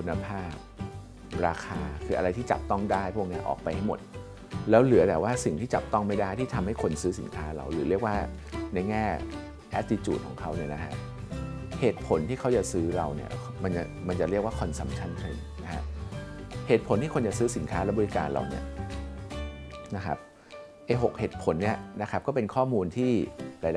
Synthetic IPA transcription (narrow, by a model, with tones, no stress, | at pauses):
kʰu˧nːa˧pʰaː˥˩p̚ | ɾaː˧kʰaː˧kʰɯː˧ʔa˧ɾa˧jt̪ʰiː˥˩t͡ɕa̰˨˩p̚t̪ɔ˥˩ŋdaː˥˩jpʰɔː˥˩˧ŋi˦˥ɐʔɔ̰˨˩k̚pa˧jha˥˩jmo̰˨˩t̪̚ | lɛː˦˥wlɯ˨˩˦ɐbɛː˨˩waː˥˩si˨˩ŋt̪ʰiː˥˩t͡ɕa̰˨˩p̚t̪ɔ˥˩ŋma˥˩jda˥˩jt̪ʰiː˥˩t̪ʰa˧mha˥˩jkʰo˧nsɯː˦˥sḭ˨˩˦nkʰaː˦˥ɾa̰˧wlɯː˩˦ɾi˥˩ək̚waː˥˩na˧jŋɛː˥˩ | ʔɛː˦˥t̚t̪i˧˥t͡ɕṵː˨˩t̪̚ʰːŋkʰa˦˥wni˥˩ɐna˦˥kʰa̰˦˥ʔ | heː˨˩t̪̚pʰo˩˦nt̪ʰiː˥˩kʰa˦˥wt͡ɕa˨˩sɯː˦˥ɾa˧wnḭ˥˩ɐ | ma˧nt͡ɕa˨˩ma˧nt͡ɕa˨˩ɾli˥˩ək̚waː˥˩kʰɔ˧nsa˨˦mt͡ɕʰa˥˩nkʰɯ˧˩ŋ | na˦˥kʰa̰˦˥ | heː˨˩t̪̚pʰo˨˦nt̪ʰiː˥˩kʰo˧nt͡ɕa˨˩sɯː˦˥si˩˦nkʰaː˦˥lɛː˦˥bɔ˧i˦˥ka̰ː˧nɾa̰˧wni˥˩ɐ | na˦˥kʰa̰˦˥p̚ | ʔa˧˥˩jɦo˨˩k̚heː˨˩t̪̚pʰo˨˩˦nːi˥˩ɐna˦˥kʰa˦˥p̚kɔː˥˩pe˧nkʰɔː˥˩muː˧nt̪ʰiː˥˩ɾaː˧˥